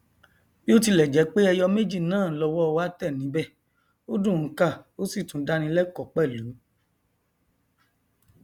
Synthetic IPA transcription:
bi˦o˦ti˧lɛ˨d͡ʒɛ˨˦k͡pe˦ɛ˧jɔ˧me˦d͡ʒi˦˨nãː˦˨˦lɔ˧wɔ˦ɔ˧wa˦tɛ˦˨nĩ˨˦bɛ˦˨ | o˦dũ˦˨˦ka˦˨o˦si˦˨tũ˨˦da˨˦nĩ˧˦lɛ˦kɔ˦˨k͡pɛ˦˨lu˨˦

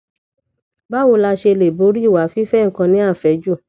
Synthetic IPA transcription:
ba˦wo˧˦la˧ʃe˧le˨bo˨˦ɾi˦˨wa˨˦fi˦fɛ˦ŋ̩˨kã˧nĩ˨˦a˦˨fɛ˨˦d͡ʒu˦˨

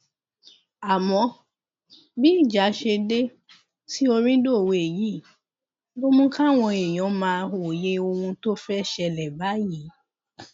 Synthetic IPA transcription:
a˨mɔ̃˧ | bi˦i˦˨d͡ʒa˨˦ʃe˧de˦ | ti˦o˧ɾ̃ĩ˦do˦˨we˨e˨ji˨˦˨ | bo˦mũ˦ka˦˨w̃ɔ̃˧e˨j̃ɔ̃˨˦mãː˧o˨je˧˦o˧hũ˧to˦fɛ˦ʃɛ˧lɛ˨ba˨˦ji˨˦

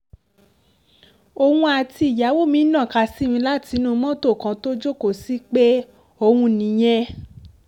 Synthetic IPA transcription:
o˧hũ˧a˧ti˧i˨ja˨˦wo˦mĩ˨˦nã˦˨ka˧˨si˦mĩ˧la˦ti˨˧˦nũ˦˧˦mɔ̃˦to˦˨kã˧to˦d͡ʒo˦ko˦˨si˦k͡pe˦ | o˧hũ˧nĩ˨˦j̃ɛ̃˧

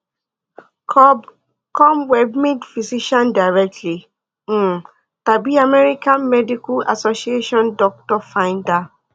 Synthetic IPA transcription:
kɔb | kʰɔ̃˦mwɛ˨bme˦dfi˨si˦ʃãnda˨ɹɛ˦k̚tʰli˨˦ | ta˨bi˦a˨mɛ˦ɹi˦kã˦nmɛ˦di˦ku˦a̰˨sosie˦ʃɔ̃˦ndɔk̚tɔ˦fãɪ̃nda˦

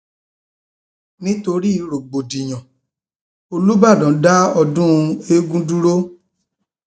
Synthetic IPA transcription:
nĩ˦to˧ɾi˦˨˧ɾo˨ɡ͡bo˨di˨j̃ɔ̃˨ | o˧lu˦ba˦˨dɔ̃˨˦da˦ɔ˧dũ˦˧e˦ɡũ˦du˦ɾo˦

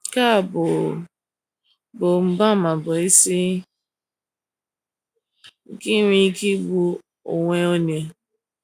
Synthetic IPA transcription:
ka˦˨bo˨ | bo˨m̩˨ba˦˨mã˨bɔ˨i˦si˦˨ | ɡi˦ɾĩ˦ki˦ɡ͡bu˦ | o̰˨ŋʷe˦o˦ne˨

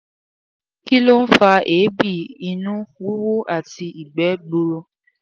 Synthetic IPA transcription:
ki˦lo˦n̩˦fa˧ʔe˨˦bi˦˨i˧nũ˦xu˦wo˦ʔa˦˨ti˧i˨ɡ͡bɛ˨˦ɡ͡bo˧ɾo˧

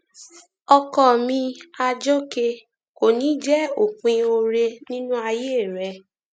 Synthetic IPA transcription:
ɔ˧kɔ˦˨mĩ˧a˧d͡ʒo˦ke˧ | ko˨nĩ˨˦d͡ʒɛ˦o˨k͡pĩ˧o˧ɾe˧nĩ˦nũ˦a˧je˦˨ɾɛ˧

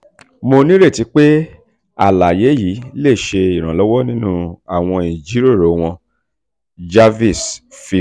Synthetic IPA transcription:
mo˧nĩ˦ɾe˦˨ti˨˧˦k͡pe˦ | a˦˨la˨je˨˦ji˨˦le˦˨ʃe˧i˨ɾ̃ã˨lɔ˨˦wɔ˦nĩ˦nũ˦a˨w̃ɔ̃˧ĩ˨d͡ʒi˨˦ɾi˦o˦˨ɾo˨˦w̃ɔ̃˧ | d͡ʒa˦vi˦˨sfi˧

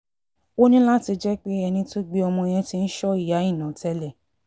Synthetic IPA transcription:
o˦nĩ˦la˦ti˧d͡ʒɛ˦k͡pe˦ɛ˧nĩ˧to˦ɡ͡bi˦ɔ˧mɔ̃˧j̃ɛ̃˧ti˧n̩˦ʃɔ˦i˦˨ja˨˦ĩ˦˨nã˨tɛ˧˦lɛ˦˨

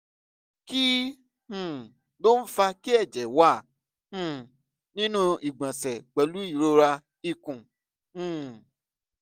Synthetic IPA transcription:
ki˦ | hũ˨ | lo˦n̩˦fa˧ki˦ɛ˦˨d͡ʒɛ˨wa˦˨ | hũ˦˨ | nĩ˦nũ˦i˨ɡ͡bã˨sɛ˨ɡ͡bɛ˨lu˨˦i˦˨ɾo˧ɾa˧ | i˧kũ˨ | ũ˨

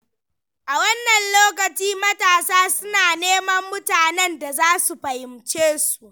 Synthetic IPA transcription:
ʔa˨wɐ˦nːɐ˨nloː˦k̬ɐ˨t͡ʃiː˦mɐ˦taː˨saː˦sʊ˦naː˨neː˦mɐ˦mːʊ˦taː˨nɛ˦nda˨zaː˦su˨ɸɐ˨hɪ˨mt͡ʃeː˦su˨ʔ

